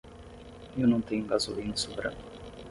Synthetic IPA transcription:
ewnɐ̃w̃t̪ẽɲʊɡazolĩnɐ̃subɾɐ̰̃ʊ

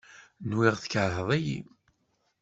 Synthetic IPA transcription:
nwɪʁθə̥kəɾɦəðˤæjḭ

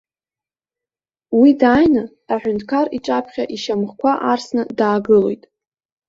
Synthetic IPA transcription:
widaːjnɨː | ħʷᶣʏntʰkʰariʈ͡ʂʼapʰχʲaʔiʃamχkʷʰaʔarsnɨdaːɡɨlo̞̰jtʼ

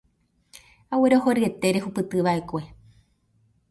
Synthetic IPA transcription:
aweɾoɦoɾɨe̞t̪eɾehupɨt̪ɨʋaʔe̞kʷe̞

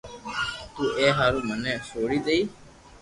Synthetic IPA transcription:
t̪uːʔeːɦaːɾũːmənɛ̃ːsoːɽiːt̪əiː

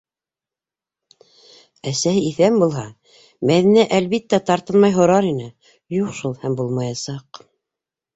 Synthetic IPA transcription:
æsæhɘiθæmbulˠɦɑ | mæðinæʔælβit̪ːæt̪ɑɾt̪ɤnmɑjɦŏɾɑɾinɘ | juqʃulˠhæmbulˠmɑjɑsɑq

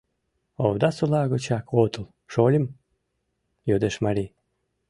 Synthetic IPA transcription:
owd̪ɑsulɑɣot͡ɕɑkʰot̪əlˠ | ʃolʲim | jod̪eʃmaɾʲi

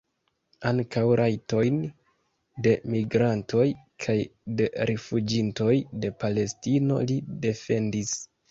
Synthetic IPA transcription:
aŋkawɾʔajto̞jn | de̞miɡɾantʰo̞j | kʰajde̞ɾʔefud͡ʒinto̞jde̞pale̞stino̞̰lide̞fe̞ndis

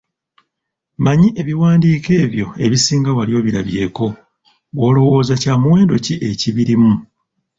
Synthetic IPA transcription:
maɲiʔe̞βiwaːndiːke̞ːβjo̞e̞βisiːŋɡawalijo̞ːβiɾaβje̞ːko̞ | βwo̞ːlo̞wo̞ːzacaːmuwe̞ːndo̞ciʔe̞ciβiɾimu

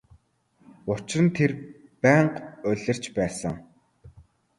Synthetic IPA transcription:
ʊt͡ɕrə̆nt̪ʰer | pæːɴqʊɮʲə̆r̥t͡ɕpæːsə̆ŋ

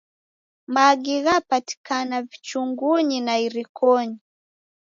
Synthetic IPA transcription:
maɡiɣapati̥kanavit͡ʃuŋɡuɲinaiɾikʰɔɲi

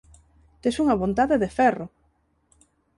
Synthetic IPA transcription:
t̪esuŋɐβont̪aðeðefɛro

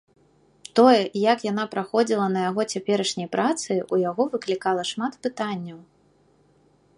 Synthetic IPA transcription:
t̪ɔjɛjakjanapɾaxɔd͡zʲilˠɐnɐjaɣɔt͡sʲapʲɛɾɐʂnʲɐjpɾʔat̪sɨujaɣɔvɨklʲikalˠɐʂmat̪pɨt̪anʲːɐw

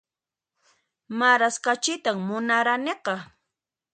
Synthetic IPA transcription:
maɾaskat͡ʃɪt̪aŋmʊnaɾaneqɑ

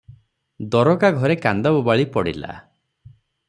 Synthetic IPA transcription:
d̪ɔɾɔkaɡʱɔɾekand̪ɔbubaɭipɔɽḭla̰

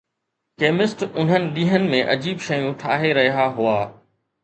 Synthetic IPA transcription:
keːmɪsʈʊn̤ənɪ̆ɗĩːɦənɪ̆mẽʔɐd͡ʑiːbʃɐjũʈʰaːɦeɾɐɦiɦaɦʊaː

